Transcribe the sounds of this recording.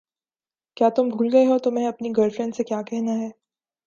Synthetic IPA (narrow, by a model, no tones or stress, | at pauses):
kjaːt̪ʊmbʱuːlɡɐeɦot̪omɛ̃ɐpniɡɐlfɾɛ̃ndsekjaːkɛɦnaɦɛː